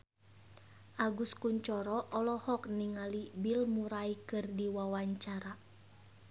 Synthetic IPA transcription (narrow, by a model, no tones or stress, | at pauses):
ʔaɡuskuɲt͡ʃɔɾɔʔɔlɔhɔk̚niŋalibilmuɾaikɨrdiwawaɲt͡ʃaɾa